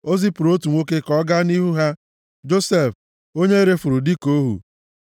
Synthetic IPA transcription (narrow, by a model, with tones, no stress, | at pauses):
o˦zi˦pu˨ɾo˦tu˨ŋʷo˦ke˦kɔ˦ɡa˦ni˦ɦu˦ɦa˦ | d͡ʒo˦se˦˨f | o˦ɲe˦i˦ɾe˦fu˨ɾu˨di˦ko˦ɦṵ˨